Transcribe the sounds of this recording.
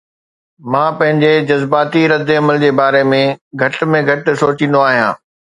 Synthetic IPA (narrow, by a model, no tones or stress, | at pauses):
mãːpɐ̃ɦɪ̃ɲd͡ʑed͡ʑɐzbaːt̪iɾɐd̪ɪɐməld͡ʑeːbaːɾemẽɡʱɐʈmẽɡʱɐʈ̆soːt͡ɕĩːn̆d̪oaːɦijã̰ː